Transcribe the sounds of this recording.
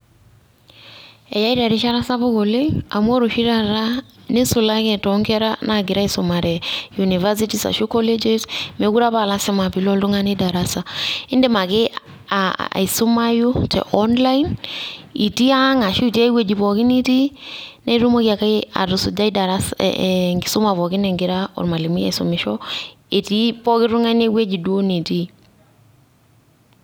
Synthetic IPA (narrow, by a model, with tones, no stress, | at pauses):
e˨ja˦i˦ɾa˨ɾi˦ʃa˦ɾa˦sa˦bo˦ɡo˨le˦a˨mu˦o˦ɾo˨ʃi˦ɾa˨ɾa˦ni˦su˨la˦kɛ˨tɔŋkɛ˦ɾa˦na˦ɡi˨ɾa˦isuma˨ɾɛjuni˨va˦s̬i˦tisa̰˨ʃu˦kɔ˦le˦d͡ʒesme˨ɡu˦ɾa˦ba˨la˦sɛ˦ma˨pi˨lɔ˦ldu˦ŋa˦ni˦da˨ɾasa˨ɪ˦nde˦ma˨kɪ˦ | aa̰˨isu˦ma˦ju˦tʰɛ̰˨ʔɔnla˦in | i˨ti˦a˦ŋa˨ʃu˦˨ti˦a˦i˦we˨d͡ʒi˨pɔ˨ki˦ni˦ti˦ne˦ɾu˦mo˦kia˨ka˦a̰˨ɾu˨su˨d͡ʒa˦i˦da˨ɾasŋɡi˨su˦ma˨βɔ˨kɪ˦nɛ˨ŋɡɪ˨ɾaɔ̰˨ɾma˨li˨mi˦ja̰˨so̰mi˨ʃɔ˦ | e˨ti˦pɔ˦kɪ˦ɾu˦ŋa˦ne˦we˦d͡ʒi˨du˦o˦ni˨ti˦